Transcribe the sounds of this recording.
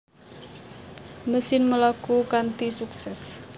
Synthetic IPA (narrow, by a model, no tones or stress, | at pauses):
məsɪnməlakukant̪isuksɛs